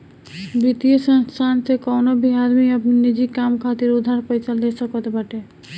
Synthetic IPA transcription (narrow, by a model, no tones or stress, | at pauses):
bɾit̪iesənst̪ʰansekɔwnobʱiɦad̪miəpninid͡ʒikːamkʰat̪iɾud̪ʱːaɾpəɪt͡ʃald̪esəkɔt̪baʈe